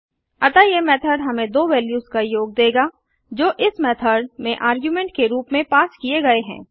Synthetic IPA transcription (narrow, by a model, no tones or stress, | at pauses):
ɐt̪ajemɛːt̪ʰəɖɦɐmẽd̪oːʋɛːljuːzkajoːɡ̚d̪eːɡaː | d͡ʒoːʔɪsmɛːt̪ʰəɖmẽʔaːɾɡjuːmẽɳʈ̚keɾuːpmẽpaːskieɡɐeɦɛ̰̃ː